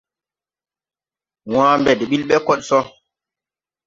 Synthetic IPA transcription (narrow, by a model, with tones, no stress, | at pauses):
w̃ãː˦mbɛ˨de˨ɓi˦lɓɛ˦kɔ˦ɗ̚sɔ˦